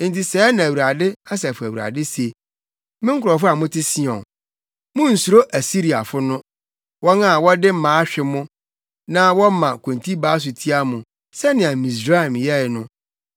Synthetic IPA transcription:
n̩˨ti˨sɛː˦nã˨æ˨wɾa˨dɪ˦a˦s̬ɛ˨fʊ˨æ˨wu˨a̰˨dɪ˦se˨ | mɪ̃˦ŋ̩˦kʰʊ˨ɾɔ˨fʊ˦a˨mʊ̃˦tʰɪ˦si˦ɔ̰̃˨ | mʊ̃˦n̩˨su˨ɾo˦ʔæ˨si˦ɾi˨a˨fʊ˦nʊ̃˦ | wɔ˦nã˦˨wɔ˦dɪ˦m̩˦mãː˨˦a˦ɕᶣɪ˨mʊ̃˦ | nã˦wɔ˦mã˨kʰõ˨ntʰi˦baː˦s̬ʊ˨tʰi˦a˦mʊ̃˨ | sɛ˦nɪ̃˨a˨mĩ˨s̬ɾa˦˨mjɛ˦ɪ˨nʊ̃˦

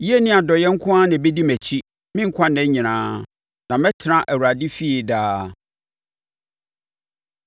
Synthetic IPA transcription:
ji˦e˦nɪ̃˦a˨dɔ˨jɛ˦ŋ̩˦kʰʊ̃˦a˦nɪ̃˨be˦di˦mæ˨t͡ɕʰi˦ | mɪ̃˦ŋ̩˦kʷʰã˦nɛ̃˦ɲɪ̃˨nãː˦ | nã˨mɛ̃˦tʰɪ˨ɾã˦ʔæ˨wu˨ɾa˨di˦fi˦e˨daː˦

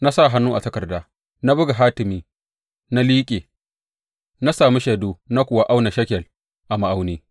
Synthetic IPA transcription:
na˦sa˦˨ɦa˦nːuː˦ʔa̰˨tɐ˦kɐ˨rdaː˦ | na˦bʊ˦ɡa˨ɦaː˦tɪ˨miː˦ | na˦liː˦kʲʼeː˨ | na˦saː˨mi˦ʃeː˨doː˦na˦kʷʊ˨wa˦ʔa˦wna˨ʃɐ˦kʲɛ˨l | ʔa˨ma˨ʔa˦wneː˦

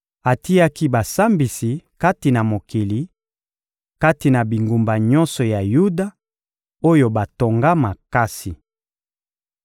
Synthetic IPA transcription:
a˨ti˦a˦ki˦ba˨sa˦mbi˨si˨ka˦ti˨na˨mo˨ki˨li˨˦ | ka˦ti˨na˨bi˨ŋɡu˨mba˨ɲɔ˦nsɔ˨ja˨ju˦da˦ | o˦jo˦ba˨to˨ŋɡa˦ma˨ka˦si˨

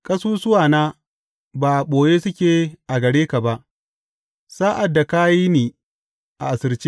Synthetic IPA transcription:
kʼɐ˦suː˦sʊ˦waː˨naː˦ | baː˨ɓoː˨jeː˦sʊ˦kʲeː˨ʔa˨ɡɐ˨ɽeː˦ka˨ba˦ʔ | saː˦ʔa˨dːa˨ka˦jiː˦neː˨ | ʔa̰˨ʔa˨sɪ˨ɾt͡ʃiː˦

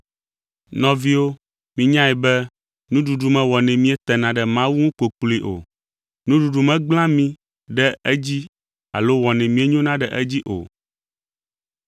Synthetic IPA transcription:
nɔ̃˨vi˦wo˦ | mĩ˦ɲã˦ɛ˨bɛ˦ | nũ˦ɖu˨ɖu˨mɛ̃˦wɔ˨nɛ̃˨mĩ˦ɛ˦t̪ɛ˨nã˨ɖɛ˨mã˦wu˦ŋũ˦ko˨k͡pli˦ʔo̰˨ | nũ˦ɖu˨ɖu˨mɛ̃˦ɡ͡bl̃ã˦mĩ˦ | ɖɛ˦ɛ˦d͡ʑi˦ | a̰˨lo˦wɔ˨nɛ̃˨mĩ˦e˦ɲõ˦nã˦ɖɛ˨ʔɛ˦d͡ʑi˦ʔo̰˨

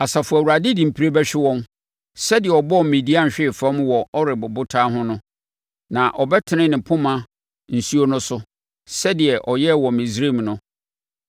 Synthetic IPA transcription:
a˨sa˨fʊ˨æ˨wu˨ɾa˨dɪ˦dĩ˨m̩˨pʰi˦ɾe˦bɛ˦ɕᶣɪ˦wɔ̃˦m | sɛ˦dɪ˨ɛ˨ɔ˨bɔ˦˨mĩ˨di˦ã˦n˨ɕᶣɪ˦˨fã˦mwɔ˨ɔ˦ɾɪ˨bʊ˨bʊ˦tʰa˦ɦʊ̃˦nʊ̃˦ | nã˨ʔɔ˨bɛ˦tʰɪ˨nɪ̃˦nɪ̃˨pʰʊ̃˦mã˦ | n̩˨su˦o˦nʊ̃˦sʊ˦ | sɛ˦dɪ˨ɛ˨ʔɔ˨jɛ˦wɔ˨mĩ˨sɾe˦˨mnʊ̃˦

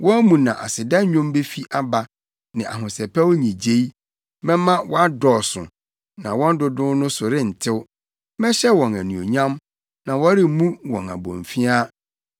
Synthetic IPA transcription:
wɔ̃˦æ˦mũ˨nã̰˨ʔa̰˨sɪ˨da˦ɲᶣõ˦mbe˦fi˦ʔa˦ba˨ | nɪ̃˨ʔa˨ɦʊ̃˨sɛ˨pʰɛ˦wɲĩ˨d͡ʑe˦i˦ | mɛ̃˦mã˦wɔ˦a˦dɔ˨sʊ̰̃˨ | nã̰˨wɔ̃˦n˦dʊ˦dʊ̃˦nʊ̃˦sʊ˨ɾɪ˦n̩˨tʰɪ˦w | mɛ̃˦ɕɛ˦wɔ̃˨næ˨nũ˨o˨ɲã˦m | nã˨wɔ˦ɾɪ˦mũ˦wɔ̰̃˨na̰˨bɔ̰̃˨ɱ˨fi˦a˦

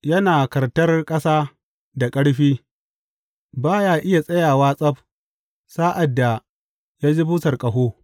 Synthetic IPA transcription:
jɐ˦naː˨kɐ˨rtɐ˦rkʼɐ˦saː˦ | da˨kʼɐ˦ɽɸiː˦ | baː˦jaː˦ʔɪ˦ja˨sʼɐ˦jaː˨waː˦sʼɐ˦b | saː˦ʔa˨dːa˨ | jaː˦d͡ʒi˦buː˦tɐ˨rkʼɐ˨ɦoː˦

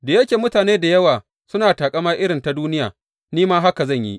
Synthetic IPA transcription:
da˨jɐ˦kʲeː˨mʊ˦taː˨neː˦da˨jɐ˦waː˨ | sʊ˦naː˨taː˨kʼɐ˦maː˦ʔɪ˦ɽɪ˨nta˨duː˦nɪ˦ja̰ː˨ | niː˦maː˦ɦa˦ka˨zɐ˦˨ɲjḭ˦ʔ

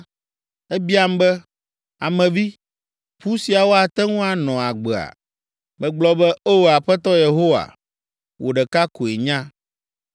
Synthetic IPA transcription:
ɛ˦bi˦a˨m˦bɛ˦ | a˨mɛ̃˨vi˦ | ɸu˦si˨a˨wo˦a˨t̪ɛ˦ŋũ˦a˨nɔ̃˨a˨ɡ͡bɛ˨a̰˨ | mɛ̃˨ɡ͡blɔ˦bɛ˦o˦wo˨a˨ɸɛ˦t̪ɔ˦je˨ɦo˦wa̰˨ | wʔo̰˨ɖɛ˨ka˦ko˨e˨ɲã˦

